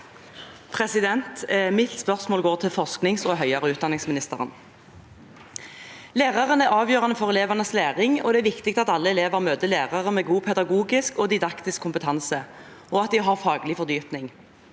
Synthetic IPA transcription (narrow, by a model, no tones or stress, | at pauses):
pʰʁɛsɪd̪ɛnt̪mɪt̪spœʁsmoːlɡoːʁt̪ʰɪlfɔsknɪŋsoːɦœʏɑʁəʉːt̪̚d̪ɑnɪŋsmɪnɪst̪əʁə̰n | leːʁɑʁənæʁɑːʋjøːʁɑnəfɔʁɛleːʋəʁnəsleːʁɪŋɔ̰d̪ɛæːɾʋɪkt̪ɪk̚t̪ɑt̪ɑlːəɛleːʋəʁmøːt̪əleːʁɑʁəmeːɡuːpʰɛd̪ɑɡuːɡɪskɔd̪ɪd̪ɑkt̪ɪskʰːʊmpət̪ʰɑnsə | ɔɑt̪̚d̪ɪɦɑʁfɑːɡlɪfɔʁd̪yːpnɪŋ